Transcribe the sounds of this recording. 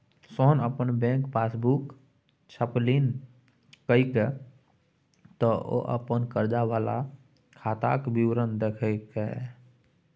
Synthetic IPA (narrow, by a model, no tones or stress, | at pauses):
soːnəpənbɛ̃ːŋkpaːsbuk | t͡ʃʰəpliːn | kəike | t̪ɔo̰ʔə̰pənkəɾd͡ʒawaːla̰ | kʰaːt̪a̰ːkbiwɾənd̪ekʰəkɛ